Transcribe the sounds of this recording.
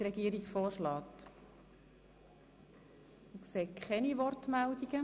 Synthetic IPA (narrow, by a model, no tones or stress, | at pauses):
ɾɛɡ̥iːəɾiɡfoːʃlɑːt̪ | kseːkχɛniʋɔrtmældiɡ̥ə